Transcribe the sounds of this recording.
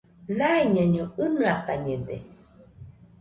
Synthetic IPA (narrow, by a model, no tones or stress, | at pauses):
naiɲaɲoɨnɨakaɲede